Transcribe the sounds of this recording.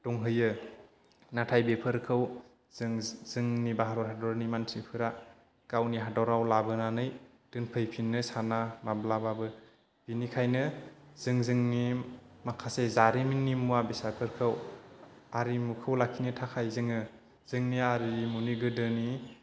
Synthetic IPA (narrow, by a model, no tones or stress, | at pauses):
d̥ɔŋɦɯjɯ | natʰajbepʰɯɾkʰɯw | zŋzɯŋnibaɦaɾɔɾhadɔɾnimantʰɾipʰɯɾa | kawniɦadɔɾawlabɯnanɯj | d̥ɯnpʰɯjpʰinːɯsanamablababɯ | b̥inikʰajnɯz̥ɯŋzɯŋnimakʰasezaɾiminːimuabisapʰɯɾkʰɯw | aɾimukʰɯwlakʰinitʰakʰajzɯŋɯ | z̥ɯŋniaɾimuniɡɯdɯni